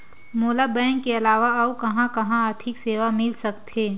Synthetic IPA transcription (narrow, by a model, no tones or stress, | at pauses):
moːlabɛ̃ːŋkːeɐlaːʋaɐukɐɦãkɐɦãat̪ʰɪkseːʋamɪlsɐkt̪eː